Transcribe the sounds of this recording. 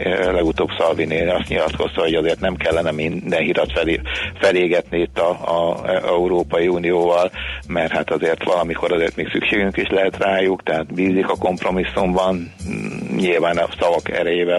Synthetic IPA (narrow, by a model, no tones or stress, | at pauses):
lɛɡut̪oːbsɒlbineːlɒst̪ɲilɒt̪kʰo̞st̪ɒɦo̞ɟɒzeːrt̪nɛmkɛlːɛnɛmind̪ɛnɦiɾɒt̪fɛlfɛleːɡɛt̪niit̪ːɒ | ʔɛuɾoːpɒjiuːnijoːvɒlmɛrhat̪ɒzeːrt̪ʋɒlɒmiko̞ɾɒzeːrt̪meːksykʃeːɡyŋkiʃlɛɦɛt̪raːjukt̪ɛɦaːt̪biːzikɒko̞mpro̞misːumbɒn | ɲilvaːnɒsɒvɒkɛ̰ɾɛjeːvɛ